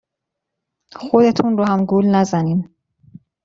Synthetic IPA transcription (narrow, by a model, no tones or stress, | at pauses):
xod̪e̞t̪ʰunrohæmɡuːlnæzæniːm